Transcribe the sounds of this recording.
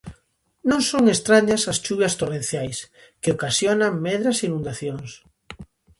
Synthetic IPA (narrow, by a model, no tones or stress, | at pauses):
nõŋsoŋest̪ɾaɲasast͡ʃuβjɐst̪orẽn̟θjajs | keokasjonaŋmɛðɾɐsinũnd̪aθjoŋs